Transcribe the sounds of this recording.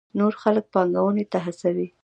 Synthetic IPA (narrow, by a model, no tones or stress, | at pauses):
noɾxalək̚pɑŋɡawənet̪aɦasawi